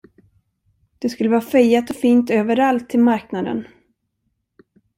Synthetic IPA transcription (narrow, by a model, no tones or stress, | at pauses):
d̪̥ɛskɵlːəvɑːfɛjːat̪ɔfiːnt̪øːvəɾalt̪ʰːɪlmaɾknad̪ə̰n